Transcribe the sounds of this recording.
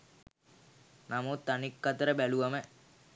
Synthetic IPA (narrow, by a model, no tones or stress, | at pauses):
namut̪ːanikːat̪əɾəbæluʋamə